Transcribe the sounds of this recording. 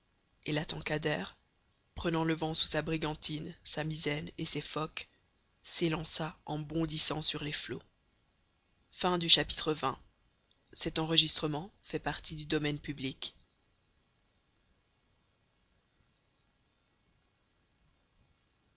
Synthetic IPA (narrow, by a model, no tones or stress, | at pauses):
elat̪ɑ̃kad̪ɛːʁ | pχənɑ̃ləvɑ̃su̥sabʁiɡɑ̃t̪ʰinsamizɛnesefɔk | selɑ̃saɑ̃bɔ̃d̪isɑ̰̃syʁleflo | fɛ̃d̪yʃapi̥t̪χəvɛ̃ | sɛt̪ɑ̃ʁəʒist̪χəmɑ̃fɛpaʁt̪ʰid̪yd̪ɔmɛnpyblik